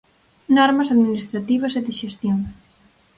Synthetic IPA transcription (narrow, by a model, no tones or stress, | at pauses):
nɔɾmɐsaðminist̪ɾat̪iβɐseðiʃest̪joŋ